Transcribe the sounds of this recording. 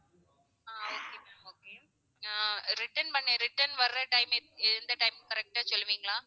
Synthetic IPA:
aːoːkeoːke | aːɾɪʈɐnpɐɳːẽɾɪʈːɐnʋɐɾɾɐʈɐɪmeːɛðɯnd̪ɐʈɐɪmkɐɾɛk̚ʈaːsɔlːɯʋiːŋɡɐɭãː

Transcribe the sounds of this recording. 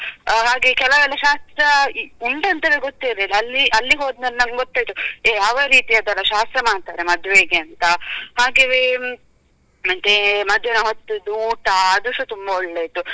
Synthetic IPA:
ɦaːɡekɛlɐʋɛːlːɐʃaːst̪ɾɐuɳʈɐnt̪ɐʋeɡot̪ːiɾelɐlːiʔɐlːiɦoːd̪nɐɾnɐŋɡot̪ːaːjt̪ueːɐʋɐɾiːt̪ijad̪ɐlːɐʃaːst̪ɾɐmaːɖt̪aːɾemɐd̪ʋeɡeɐnt̪ɐhaːɡeːʋe | ɐnt̪emɐd̪ʱːenɐɦot̪ːud̪uːʈɐːd̪uʂut̪umbɐɔɭːeit̪ːu

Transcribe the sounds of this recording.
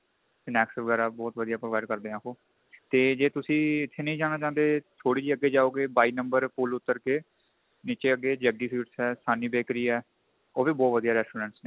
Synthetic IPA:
sɪnɛːksəʋəɡɛːɾaːbɔːt̪ʋəd̪ijaːpɾoʋaɪɖkəɾd̪eːãːkoː | t̪eːd͡ʒeːt̪ʊsĩːɪt̪ʰːeːnə̃ĩːd͡ʒaːnaːt͡ʃãːnd̪eːt̪ʰoːɽiːd͡ʒiːəɡːeːd͡ʒaːoːɡeːbaːiːnəmbəɾpʊːlʊt̪ːəɾkeː | niːt͡ʃeːəɡːeːd͡ʒəɡiːsiːʈsɦɛːsaːniːbeːkɾiːɛː | oːʋiːbɔːt̪ʋəd̪ijaːɾɛːsʈuːɾɛ̃ːɳʈsnẽː

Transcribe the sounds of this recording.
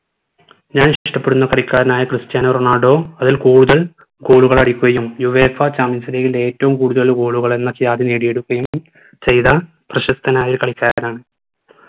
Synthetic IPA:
ɲaːnɕiʂʈɐpːe̞ɽunːɐkɐɽikʲːaːɾɐnaːjɐkrɨstjaːnɐroɳaːɖo̞ːɐðilkuːɽuðɐɭ | ɡo̞ːɭuɣɐɭɐɽikʲːuɣɐjumjuʋeːfɐt͡ɕaːminsɐɾeːjile̞ːtːɐʋumkuːɽuðɐɭɡo̞ːɭuɣɐɭe̞nːɐkjaːd̪ineːɽije̞ɽukːɐjum | t͡ɕe̞jðɐ | prɐɕɐst̪ʰɐnaːjilkɐɭikʲːaːɾaːɳɨ

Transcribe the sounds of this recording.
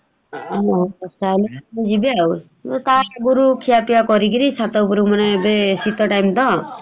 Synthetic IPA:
ɔɔsaleanid͡ʒibiau | t̪aɡuɾukʰijapijakɔɾikiɾisat̪ɔwpuɾumanebesit̪ɔʈajmt̪ɔ

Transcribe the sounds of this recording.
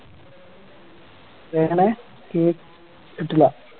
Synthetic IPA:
eŋɐɳe | keː | eʈːilːɐ

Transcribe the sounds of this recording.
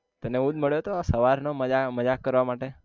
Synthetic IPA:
t̪əneũd̪̚məɭjot̪oasəʋaɾnoməd͡ʒaməd͡ʒakːəɾʋamaʈe

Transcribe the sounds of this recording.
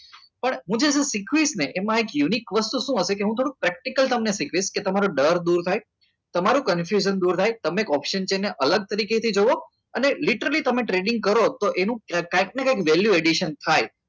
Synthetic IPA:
pəɳɦũd͡ʒesesikʰʋisneʔemãekjunikʋəst̪uʃũɦəʃekeɦũt̪ʰoɽũkpɾɛk̚ʈikəlt̪əmnesikʰʋisket̪əmaɾuɖəɾd̪uɾt̪ʰaj | t̪əmaɾũkənfjuʒənd̪uɾt̪ʰajt̪əmẽːkɔpʃənt͡ʃeneʔələɡ̚t̪əɾiket̪ʰid͡ʒoʋo | əneliʈəɾalit̪əmeʈɾeɖɪ̃ŋɡ̚kəɾot̪oʔenũkaik̚nekajkʋɛljueɖiʃənt̪ʰaj

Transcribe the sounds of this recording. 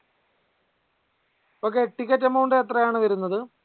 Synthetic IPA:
o̞ːk̬ːe̞ʈːikʲːɐtːemːɐuɳɖɨet̪rɐjaːɳɨʋɐɾunːɐðɨ

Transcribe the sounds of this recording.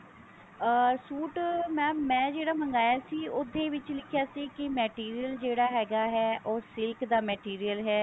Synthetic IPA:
suːʈmɛ̃ːmɛ̃ːd͡ʒeːɽaːməŋɡaːjaːsiːʊd̪eːʋɪt͡ʃlɪkʰɪjaːsiːkɪmɛːʈiːɾiːəld͡ʒeːɽaːɦɛːɡaːɦɛːʔoːsɪlkd̪aːmɛːʈiːɾijəlɦɛː

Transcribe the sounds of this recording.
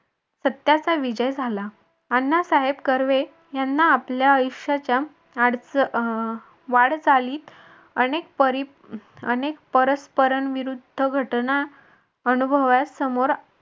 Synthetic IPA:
sət̪jat͡saʋid͡ʑəjd͡zʱala | anːasaɦebkəɾʋe | janːaːpljaəjuɕat͡ɕja | aɽt͡s | ʋaɽt͡saliːt̪ | ənekpəɾi | ə̰nekpəɾəspəɾəɳʋiɾud̪ʱːəɡʱəʈna | ənubʱəʋasəmoɾ

